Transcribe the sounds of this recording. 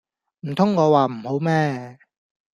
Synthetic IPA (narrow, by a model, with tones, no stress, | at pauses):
m̩˨˩t̪ʰʊ˥ŋːɔː˨˧waː˨m̩˨˩ho˨˥wmɛː˥